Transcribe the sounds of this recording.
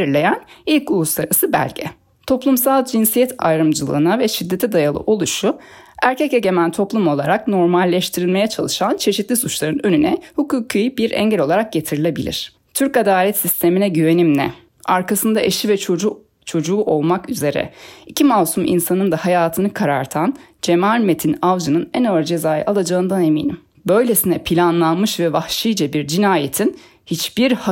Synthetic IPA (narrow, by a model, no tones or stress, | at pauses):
eɾiɾlʲe̞jænilʲculˠuslˠaɾasɯbæ̰lʲɟɛ̰ | t̪ʰo̞plˠumsalˠd͡ʒinsijɛt̪ʰa̰jɾɯmd͡ʒɯlˠɯ̰ːnavɛʃid̪ːe̞t̪ʰid̪ajalˠɯ̰ʔo̞lˠuʃu | æɾcʰɛce̞ɟe̞mænt̪ʰo̞plˠumo̞lˠaɾakno̞ɾmalʲːɛʃt̪ʰiɾilʲme̞jat͡ʃʰalˠɯʃant͡ʃʰe̞ʃit̪lʲisut͡ʃlˠaɾɯnø̞nynɛhukuːkʰijbiɾʔɛ̰ɲɟɛlʲo̞lˠaɾak̚ɟe̞t̪ʰiɾilʲe̞bilʲḭɾ̥ | t̪ʰyɾcad̪aːlʲɛt̪sist̪ʰe̞minɛɟyve̞nimnɛ̰ | aɾkʰasɯnd̪aʔeʃivɛ | t͡ʃʰo̞d͡ʒuːʔo̞lˠmakyze̞ɾɛ̰icʰimavsumʔḭnsanɯnd̪ahajaːt̪ʰɯnɯkʰaɾa̰ɾt̪ʰan | d͡ʒemalʲme̞t̪ʰinavd͡ʒɯnɯnænaɾd͡ʒe̞zaːja̰ʔalˠad͡ʒaɯnd̪ane̞mḭːnḭm | bø̞jlʲe̞sinɛpʰilʲanlˠanmɯʃvɛvahʃijd͡ʒabiɾd͡ʒinaːjet̪ʰin | hit͡ʃb̥iɾha